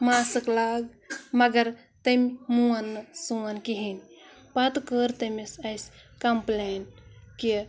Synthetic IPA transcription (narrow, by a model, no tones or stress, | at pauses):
masɨklaɡ | mɐɡɐɾ | t̪əmʲmuɐnːɨsuankiɦin | pɐt̪kəɾt̪ɐmisɐjskɐmplenki